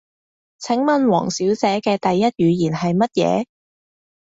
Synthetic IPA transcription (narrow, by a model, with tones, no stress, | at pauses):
t͡sʰɪ˨˥ŋmɐ˨nwɔ̰ː˨˩ŋsiː˨˥wt͡sɛː˨˥kɛː˧t̪ɐ˨jːɐ˥t̚jyː˨˧jiː˨˩nɦɐ˨jmɐ˥t̚jɛ̰ː˨˧